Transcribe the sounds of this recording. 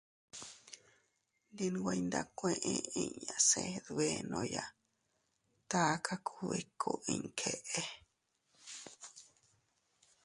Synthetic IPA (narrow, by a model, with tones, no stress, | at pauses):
nd̪i˧nũ˧ɡʷa˧i˧nd̪a˧kʷẽ˦˧ʔẽ˧i˦˨ɲã˧se˧ðu˧e˧nõ˧ja˧˨ | t̪a˦kʰa˦kʰu˦βi˦˨kʰo˧˨ĩ˧ŋ˨kʰe˧ʔe˧